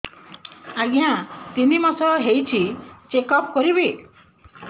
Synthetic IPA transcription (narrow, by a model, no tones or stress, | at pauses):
aɡiãt̪inimɔsɔɦejt͡ʃʰit͡ʃekɔpkɔɾibi